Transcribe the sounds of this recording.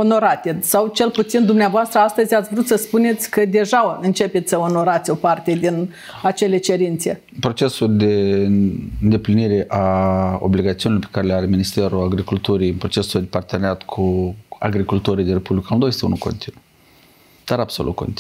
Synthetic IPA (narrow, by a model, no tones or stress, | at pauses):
o̞no̞ɾat̪e̞sawt͡ʃe̞lput̪sind̪umneavoast̪ɾəast̪əzʲat̪sʲvɾut̪səspune̞t̪sʲkəd̪e̞ʒaɨnt͡ʃe̞pe̞t̪sʲsəo̞no̞ɾat̪sʲo̞part̪e̞d̪in | at͡ʃe̞le̞t͡ʃe̞ɾint̪se | pɾo̞t͡ʃe̞suld̪e | ɨnd̪e̞pliniɾe̞ʔao̞̰bliɡat̪siunilorpekaɾeleaɾeminist̪e̞ɾuaɡɾikult̪uɾijɨnpɾo̞t͡ʃe̞sud̪epart̪eneat̪kʰua̰ɡɾikult̪oɾijd̪ʲinrɾepublʲikamld̪oajet̪eṵnukʰo̞̰nt̪inu | d̪̥aɾabso̞lṵt̪̚kʰo̰nt̪